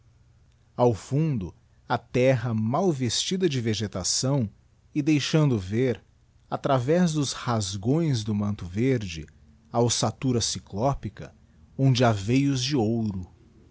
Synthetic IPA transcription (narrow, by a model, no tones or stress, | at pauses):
awfũnd̪ʊ | ɐt̪ɛɦɐmawvest͡ʃid̪ɐd͡ʒɪveʒet̪asɐ̃w̃ | ɪd̪ejʃɐ̃nd̪ʊveɾ | at̪ɾavɛzd̪ʊshazɡõj̃zd̪ʊmɐ̃nt̪ʊveɾd͡ʒɪ̰ | awsat̪uɾɐsiklɔpikɐ | õnd͡ʒɪavejʊzd͡ʒɪowɾʊ